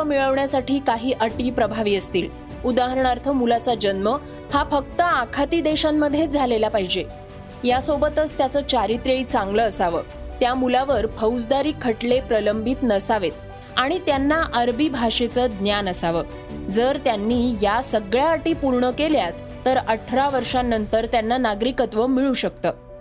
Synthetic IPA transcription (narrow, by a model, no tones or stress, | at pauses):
miɭəʋɳjasaʈiːkaɦiːʔəʈiːpɾəbʱaʋiːəst̪iːl | ud̪aɦəɾɳaɾt̪ʰəmulat͡sad͡ʑənmə | hafək̚t̪əakʰat̪iːd̪eɕamːəd̪ʱjed͡zʱalelapaɦid͡ʑe | jasobət̪ət͡st̪jat͡səːt͡ɕaɾit̪ɾeɭit͡sãŋɡləːsaʋəːt̪jamulaʋəɾpʰəwd͡zd̪aɾiːkʰːəʈlepɾələmbʱit̪nəsaʋet̪̚ | aɽ̃it̪janːaʔəɾbibʱaʂet͡səːd̪njanəsaʋəː | d͡zəɾt̪janːiːjasəɡɭjaːʈiːpuɾɳəkeljat̪ːəɾəʈʰɾaʋəɾʂanːənt̪əɾt̪janːanaɡɾikət̪ʋəmiɭuɕək̚t̪əː